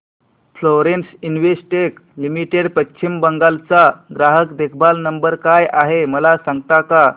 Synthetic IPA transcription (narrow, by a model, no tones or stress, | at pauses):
floɾensinʋesʈeklimiʈeɽpəɕʰimbəŋɡalt͡saɡɾaɦəkd̪ekʰbalnəmbəɾkajaɦeməlasaŋɡt̪aka